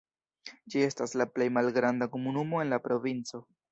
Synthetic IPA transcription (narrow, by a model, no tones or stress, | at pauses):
d͡ʒie̞staslaple̞jmalɡɾandako̞munumo̞e̞nlapɾo̞vint͡so̞